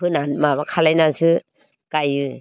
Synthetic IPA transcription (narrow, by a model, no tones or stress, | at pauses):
ɯnanmaβakʰalajnasɯ | kajɯ